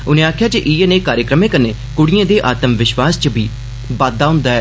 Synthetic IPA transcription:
ʊnẽːaːkʰjaːd͡ʒeʔiːeneːkaːɾjəkɾəmẽːkəneː | kʊɽɪjẽːd̪eːʔaːt̪əmʋɪʃʋaːst͡ʃəbiː | baːd̪aːɦʊ̃nd̪aːɛː

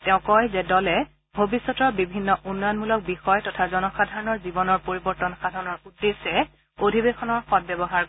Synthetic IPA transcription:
tɛʊ̃kɔjzɛdɔlɛ | bʱobisːɔtɔɹbibʱinːɔʔunːɔjɔnmulɔk̚bixɔjtɔtʰazɔnɔxadʱaɹɔnɔɹzibɔnɔɹpoɹibɔɹtɔnxadʱaɹɔnɔɹudːesɛ | odʱibexɔnɔɹxɔt̚bɛbɔɦaɹ

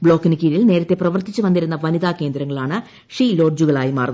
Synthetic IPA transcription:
bɭo̞ːkːinɨkʲiɾilne̞ːɾɐt̪ːe̞prɐʋɐrt̪it͡ɕːuʋɐnd̪iɾunːɐʋɐniðaːke̞ːnd̪ɾɐŋːɐɭaːɳɨ | ʂiːlo̞ːrd͡ʑuɣɐɭaːjimaːrn

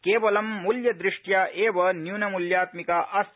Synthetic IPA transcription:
keːʋɐlɐmːuljɐd̪ɾiʂʈjaːʔeːʋɐnjuːnɐmuljaːt̪mikaʔɐs

